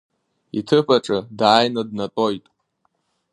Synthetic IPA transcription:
ḭtʰɨpʰʼaʈ͡ʂʼɨdaːjnadnatʼo̞jtʼ

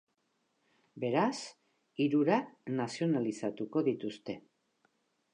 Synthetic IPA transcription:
be̞ɾas | iɾuɾanasio̞nalisat̪uko̞ðit̪ust̪e̞

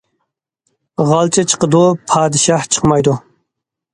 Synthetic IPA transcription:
ʁɑlˠt͡ʃʰɛt͡ʃʰə̥qəd̪upʰɑːd̪ɨʃɑht͡ʃʰə̥qmɑjd̪u

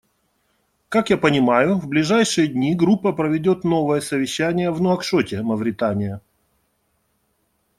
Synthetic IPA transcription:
kakjapənʲɪmajʊvblʲɪʐajʂɨjəd̪ʲnʲiɡɾupːəpɾəvʲɪdʲo̞t̪no̞vəjəsəvʲɪɕːænʲɪjəvnʊɐkʂotʲɪmɐvɾʲɪt̪anʲɪjə

